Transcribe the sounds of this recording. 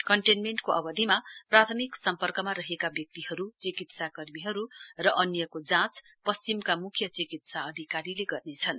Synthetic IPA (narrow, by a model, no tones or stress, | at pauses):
kʌɳʈenmeɳʈkoʔʌbʌd̪ʱimaprat̪ʰʌmiksʌmpʌrkʌmaɾʌɦekabjʌk̚t̪iɦʌɾut͡sikit̪sakʌrmiɦʌɾurʌʔʌnjʌkod͡zãt͡s | pʌst͡simkamukʰjʌt͡sikit̪saʌd̪ʱikaɾileɡʌrnet͡sʰʌn